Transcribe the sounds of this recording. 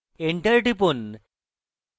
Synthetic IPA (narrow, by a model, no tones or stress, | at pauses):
eɳʈəɾʈipun